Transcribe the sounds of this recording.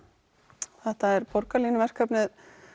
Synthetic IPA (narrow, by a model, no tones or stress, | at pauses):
θɛht̪aɛɾpɔɾkalinɪvɛr̥kʰœpnɪð